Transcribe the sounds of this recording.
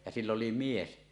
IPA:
jɑ silː oli mies

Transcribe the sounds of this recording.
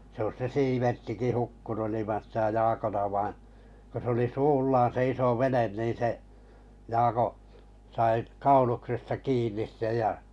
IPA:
sĕ ois se siːʋertːiki hukːunu ilimɑn sitæ jɑːkon ɑ ʋɑĩː ko se oli suːlːɑːn se iso ʋenen niːn se jɑːko sɑi kɑuluksestɑ kiːnˑis sej jɑ

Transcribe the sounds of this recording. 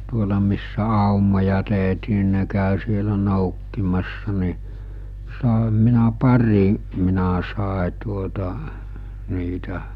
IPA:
tuolɑ misːæ ɑˑumojɑ teˑɦtiː ni ne kæˑø sielæ noˑukːimɑsːɑ ni sɑˑehɑm minæ pɑri minæ sɑˑe tuotɑ niːtæ

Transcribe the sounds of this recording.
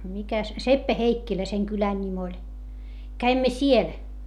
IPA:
mikæ sepːæheikːilæ seŋ kylæn nʲim olʲ kæimːæ siel

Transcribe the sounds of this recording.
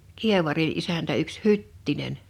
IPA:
kieʋɑri ʔisæntæ yks hytːinen

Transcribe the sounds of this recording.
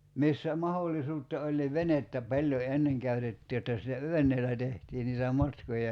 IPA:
misːæ mɑholːisuːtːɑ olʲ niʋ ʋenetːæ pɑlʲjo enːeŋ kæytetːi jotːɑ sitæ ʋenˑeːlˑæ tehtiː niːtæ mɑtkojɑ

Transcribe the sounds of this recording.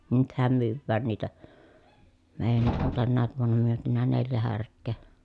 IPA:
nythæm myːwːæːn niːtæ meːjænːiʔ ʔon tænːæːʋ ʋuonːɑ myøtynæ neljæ hærkˑeː

